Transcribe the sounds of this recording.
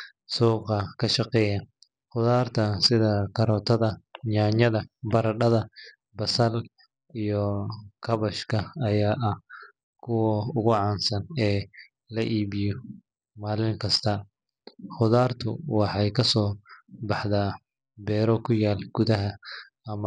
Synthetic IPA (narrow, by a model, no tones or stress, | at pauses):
suːqɐkʰɐʃɑqɛːjɐ | ħʊðaːrt̪ʰɐsɪðɐkʰɐɾɔːt̪ʰɐðɐɲaːɲɐðɐbɐɾɐɖɐðɐ | bɐsɐl | ijɔkʰɐβɐʃkʰɐɐjaːʔɐh | kʰʊwɐʊɣʊʕɑːnsɐnɛː | lɐʔiːβɪjɔ | maːlɪŋkʰɐst̪ʰɐ | xʊðaːrt̪ʰʊ̰wɑħɑjkʰɐsɔːbɑħðaː | bɛːɾɔkʰʊjaːlɡ̥ʊðɐɦɐ | ɐmɐ